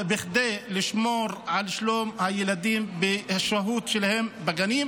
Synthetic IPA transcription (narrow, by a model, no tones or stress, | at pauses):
bɪxd̪ejlɪʃmoːɾʕalʃloːmhajɪlad̪iːmbɪhaʃaɦuːt̪ʃelahembaɡaniːm